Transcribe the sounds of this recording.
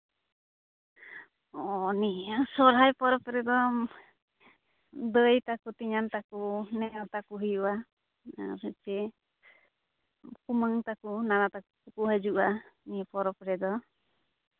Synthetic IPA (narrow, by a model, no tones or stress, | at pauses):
ɔniasɔɾɦajpɔɾɔpɾɛd̪ɔ | d̪əjt̪akut̪iɲant̪akunɛʔɔt̪akuɦijuʔa | a̰ɾt͡ʃɛ | kuməŋt̪akunanat̪akukukuɦad͡ʒuʔanipɔɾɔpɾɛd̪ɔ